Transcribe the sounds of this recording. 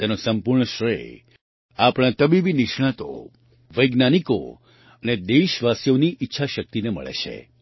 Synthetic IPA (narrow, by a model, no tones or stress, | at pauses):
t̪enosəmpuɾɳəʃɾḛ | apɽ̃ãt̪əbibinɪʃɳ̃ãt̪o̰ | ʋəjɡnaniko̰ | əned̪eʃʋasjoniʔitːʃʰaʃək̚t̪inemə̰ɭḛt͡ʃʰḛ